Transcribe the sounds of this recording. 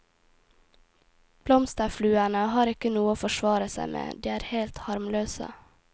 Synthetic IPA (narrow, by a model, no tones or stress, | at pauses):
b̥lɔmst̪əflʉːænəhɑːɾɪkənuːəoːfɔʃʋɑːɾəsæ̰ɪmʔḛːd̪iːæːɾheːlt̪hɑɾmløːsə̰